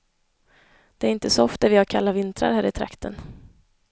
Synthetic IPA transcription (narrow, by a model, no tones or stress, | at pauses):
d̪̥ɛæɾɪnt̪əsɔɔft̪æɾvɪhaɾkʰalːavɪnt̪ɾa̰ɾhæːɾɪt̪ʰɾa̰kt̪ʰə̰n